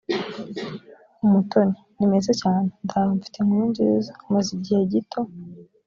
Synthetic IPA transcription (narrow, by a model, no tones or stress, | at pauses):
umutʰonenimezacaːnendaɾuɱfi̥temuind͡ʒizamaziɟihe̞ɟitʰo̞